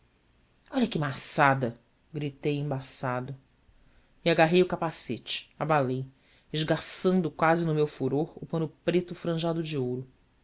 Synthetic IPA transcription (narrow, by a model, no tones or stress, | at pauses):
ɔʎɐkɪmasad̪ɐ | ɡɾit̪ejẽbasad̪ʊ | iaɡaɦejʊkapaset͡ʃɪ̥abalej | ɪʒɡasɐ̃nd̪ʊkwazɪnʊmewfuɾoɾʊpɐ̃nʊpɾet̪ʊfɾɐ̃ʒad̪ʊd͡ʒiowɾʊ